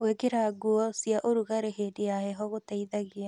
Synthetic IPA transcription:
wekeɾaɡuɔsiaʔoɾuɣaɾeɦedejaɦɛɦɔɣotaiðaɣea

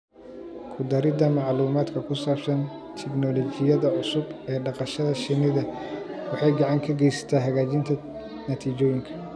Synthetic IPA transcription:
kʰʊd̪ɐɾɪd̪ɐmɑʕluːmaːd̪kʰɐkʰʊsaːbsɐn | t̪ʰɛɡnɔlɔt͡ʃɪjɐðɐʕʊsʊbɛːɖɑqɑʃɐðɐʃɪnɪðɐwɑħɑjɡɑʕɑŋkʰɐɡɛjsɐ̥t̪ʰaːɦɐɣaːt͡ʃɪnt̪ʰɐ | nɐt̪ʰiːt͡ʃɔːjɪŋkʰɐ̥

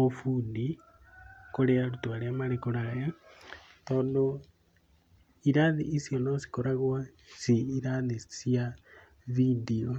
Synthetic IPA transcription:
ofuːndi | koɾeaɾutwaɾeamaɾekoɾaja | t̪oːndo | iɾaðiʔisijonosi̥koɾaɣwa | siiɾaðisija | βidio

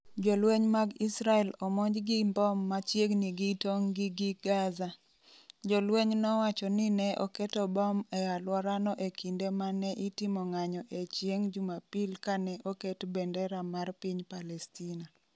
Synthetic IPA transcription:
d͡ʒɔlweɲmaɡisɾaɛlɔmoɲd͡ʒɡimbɔmːat͡ʃjeɡniɡitoŋɡɪɡiɡaza | d͡ʒɔlweɲnɔwat͡ʃɔninɛʔɔ̰kɛtɔbɔmɛalwɔɾanɔʔekindemanɛʔitɪmɔŋaɲɔʔet͡ʃjeŋd͡ʒumapilkanɛʔoketbɛndɛɾamarpiɲpalɛstina

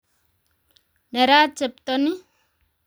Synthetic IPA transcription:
neɾat͡ʃep̚t̪oni

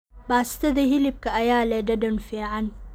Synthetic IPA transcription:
baːst̪ʰɐðɐɦɪlɪb̚kʰɐɐjaːlɛːɖɐɖɐnfiːʕɑn

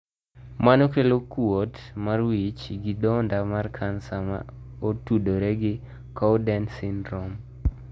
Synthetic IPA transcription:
manokelokuotmarwit͡ʃɡɪdɔndamarkʰansama̰ | otudoɾɛɡɪ | kɔwdɛnsindɾɔm

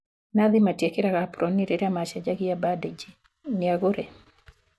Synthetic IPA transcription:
naðɪmatjekɪɾaɣapɾɔniɾɛɾamaʃad͡ʒaɡɪjabadɛd͡ʒi | nɪaɡʊɾɛ

